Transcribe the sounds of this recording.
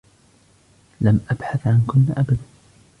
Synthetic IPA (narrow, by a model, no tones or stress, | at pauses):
lamʔabħaθʕankʊnːaʔabad̪a